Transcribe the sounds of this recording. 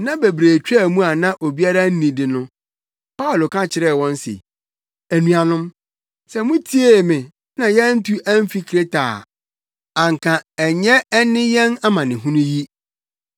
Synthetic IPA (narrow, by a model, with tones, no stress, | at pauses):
nã˦bæ˨bɾeː˨t͡ɕᶣɛ˦˨mũ˦a˨nã˦ʔo˨bi˦a˦ɾa˦n̩˦nĩ˨dɪ˨nʊ̃˦ | pa˦ʊ˨lo˨kʰã˦t͡ɕʰɪ˨ɾɛː˦˨wɔ̃˦n˦sɪ̰˨ | æ˨nũ˨a˨nʊ̃˦m | sɛ˦mũ˦tʰi˦e˦˨mɪ̃˨ | nã˨jɛ˦n̩˦tʰu˦ʔæ̃˦m˦fi˦kʰɾe˦tʰa̰ː˨ | ã˨ŋkʰã˨ɛ˨ɲɛ˦ɛ˦nɪ̃˦jɛ˦na˦mã˨nɪ̃˨ɦũ˦nʊ̃˦ji˦